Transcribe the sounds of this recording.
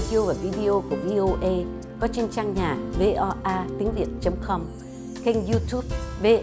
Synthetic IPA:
i˧o˧vaː˨˩vi˧ɗi˧ʔo˧ku˧˩əvi˧ʔo˧ʔə˧j | kɔ˨˦t͡ɕe˧nt͡ɕaː˧ŋɲa̰ː˨˩ve˧ʔɔ˧ʔaː˧t̪i˨˦əŋvḭ˧˨ənt͡ɕə˨˦wŋ͡mkɔ˧m | ka˧ŋzu˧t̪ʰu˦˥p̚ve˧

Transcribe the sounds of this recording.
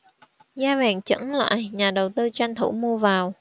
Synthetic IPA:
zaː˧vaː˨˩nt͡ɕə̰˧˥nla̰ː˧˨jɲaː˨˩ɗə˨˩wt̪ɨ˧t͡ɕa˧jŋ̟t̪ʰu˧˩mu˧əvaː˨˩w

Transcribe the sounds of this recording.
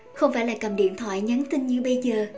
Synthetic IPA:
xə˧wŋ͡mfaː˧˩jlaː˨˩kə˨˩mɗḭ˧˨ənt̪ʰwa̰ː˧˨jɲa˨˦nt̪ï˧ŋɲɨ˧ɓə˧jzəː˨˩

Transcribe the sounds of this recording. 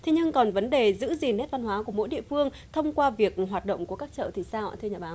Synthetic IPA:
t̪ʰe˨˦ɲɨ˧ŋkɔ˨˩nvə˨˦nɗe˨˩zɨ̰˧˥zi˨˩nhɛ˦˥t̚va˧nɦwaː˨˦ku˧˩əmo̰˧˥jɗḭ˧˨əfɨ˧əŋ | t̪ʰə˧wŋ͡mkwaː˧vi˨˩ək̚ɦwaː˨˩t̚ɗə̰˧˨wŋ͡mku˧˩əkaː˦˥k̚t͡ɕə̰ː˧˨t̪ʰi˨˩saː˧wa̰ː˧t̪ʰɨ˧ɲaː˨˩ɓaː˨˦

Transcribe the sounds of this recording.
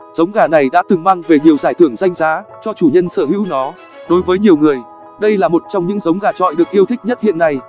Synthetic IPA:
z̥ə˨˦wŋ͡mɣaː˨˩na˨˩jɗa̰ː˧˥t̪ɨ˨˩ŋma˧ŋve˨˩ɲi˨˩əwzaː˧˩jt̪ʰɨ˧˩əŋza˧jŋ̟zaː˨˦t͡ɕɔ˧t͡ɕu˧˩ɲə˧nsəː˧˩ɦḭ˧˥wnɔ˨˦ | ɗo˨˦jvəː˨˦jɲi˨˩əwŋɨ˨˩əj | ɗə˧jlaː˨˩mo˨˩t̚t͡ɕɔ˧wŋ͡mɲɨ̰˧˥ŋzə˨˦wŋ͡mɣaː˨˩t͡ɕɔ̰˧˨jɗɨ˨˩ək̚ʔi˧əwt̪ʰï˦˥k̟̚ɲə˦˥t̚hḭ˧˨ənːa˧j

